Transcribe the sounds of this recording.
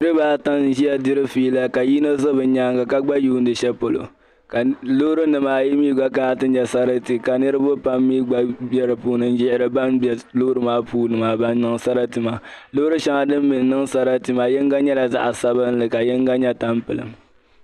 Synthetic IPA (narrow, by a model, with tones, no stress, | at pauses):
ɨ˦ɾɨ˦baː˦ta˦n˨˦ʒi˦jɛ˦di˦ɾɨ˦fiː˦la˦ka˨ji˦no˦zɨ˦bɨ˨ɲaː˦ŋɡa˨ka˦ɡ͡ba˦juː˦n̩˦dɨ˨ʃɛ˦po˨lo̰˨ | ka˨lo˦ɾɨ˦nɨ˨maː˨ji˦miː˦ɡ͡ba˦ka˦a˦tɨ˦ɲɛ˦sa˦ɾɨ˦ti˨ka˨nɨ˦ɾɨ˦bʊ˦pa˦mːiː˦ɡ͡ba˦bɛ˦ɾɨ˨puː˦nɨ˦n˦d͡ʒɪ˦ʔɪ˨ɾɨ˨ba˦nbɛ˨lo˦ɾɨ˦maː˦puː˦nɨ˨ma˨ba˦nː˦ɨ˦ŋsa˦ɾa˦tɨ˨ma˨lo˦ɾɨ˦ʃa˦ŋa˨dɨ˦mːi˨n˨nɨ˦ŋsa˦ɾa˦tɨ˦ma˨jɛ˦ŋɡa˦ɲɛ˦la˨za̰˦ʔa˨sa˦bɨ˦n˦lɨ˨ka˨jɛ˦ŋ˦ɡa˦ɲɛ˦ta˦mpɨ˨lɨ̰˨m